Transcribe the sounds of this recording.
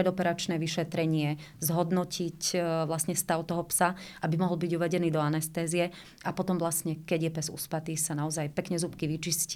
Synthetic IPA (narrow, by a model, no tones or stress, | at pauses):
ɾɛd̪ɔpɛɾat͡ʃnɛːʋiʃɛt̪ɾɛɲɪɛ | zɦɔd̪nɔcʰicʋlasɲɛst̪aʊt̪ɔɦɔpsaʔabimɔɦɔlbiɟuʋɛɟɛniːd̪ɔanɛst̪ɛːzijɛ | apɔt̪ɔmʋlasɲɛkɛɟjɛpɛzṵspat̪iːsanaɔzajpɛkɲɛzupkiʋit͡ʃisc